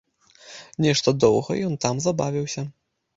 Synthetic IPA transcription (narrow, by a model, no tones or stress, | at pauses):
nʲɛʂt̪ɐd̪ɔwɣɐ̰jɔnt̪amzabavʲiwsʲɐ